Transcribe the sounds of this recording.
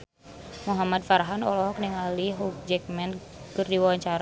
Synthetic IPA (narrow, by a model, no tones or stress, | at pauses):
muɦamad̚faɾaɦanɔ̰lɔɦɔk̚nɛŋaliɦuk̚d͡ʒɛk̚mɛnkɨrdiwawaɲt͡ʃaɾa